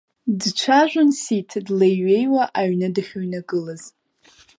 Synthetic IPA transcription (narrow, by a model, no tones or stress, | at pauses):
dt͡ʃʷʰaʒᶣʷʊnsitʰdlejɥejwaʔaɥnɨdɨχʲoɥnaɡɨlaz̥